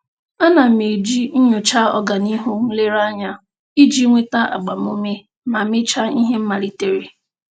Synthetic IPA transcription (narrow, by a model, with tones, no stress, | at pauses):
a˦na˨me˨d͡ʒi˦n̩˦ɲʊ˨t͡ʃa˦ɔ̰˨ɡa˨ni˦ɦu˦ŋ̩˦le˦ɾa˦ɲa˦ | i˦d͡ʒi˦ŋʷe˦ta˦a̰˨ɡ͡ba˨m˦o˦me˦ | ma˨mɪ˦t͡ʃa˦i˦ɦe˦m̩˦ma˨li˦te˦ɾe˨